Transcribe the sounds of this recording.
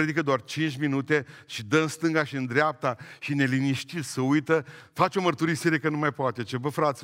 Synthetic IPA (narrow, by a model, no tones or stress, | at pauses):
ɾed̪ikəd̪oart͡ʃint͡ʃʲminut̪e̞ʃid̪əɨnst̪ɨŋɡaʃiɨnd̪ɾeap̚t̪aʃine̞liniʃt̪it̪ssəujt̪əfat͡ʃeo̞mərt̪uɾiseɾekənumajpoat̪e̞t͡ʃebəfɾat̪sʲ